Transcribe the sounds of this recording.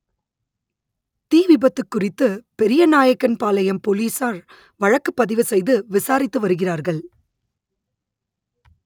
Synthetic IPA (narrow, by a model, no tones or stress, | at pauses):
t̪iːʋɪbɐt̪ːɯkːʊrɪt̪ːɯpɛɾɪjɐnaːjɐkːɐnpaːlɐjɐmpoːliːsaːɾ | ʋɐɻɐkːɯpːɐðɪʋɯsɛjðɯʋɪsaːɾɪt̪ːɯʋɐɾɯɣɪraːɾɣɐɭ